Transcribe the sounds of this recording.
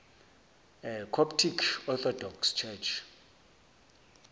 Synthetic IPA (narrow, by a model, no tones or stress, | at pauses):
ɛkʰɔptʰikʰɔt̪ɔdɔkst͡ʃʰɛt͡ʃʰ